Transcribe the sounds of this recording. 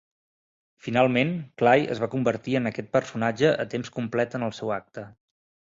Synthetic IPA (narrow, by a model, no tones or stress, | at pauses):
finalˠmenklajə̰zβakumbəɾt̪iənəkɛt̪̚pərsunad͡ʒəʔə̰t̪emskumplɛt̪ənəlˠsɛwak̚t̪ə